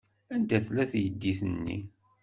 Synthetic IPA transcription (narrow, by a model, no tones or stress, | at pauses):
ænt̪æθlæθjəd̪ːiθnːḭ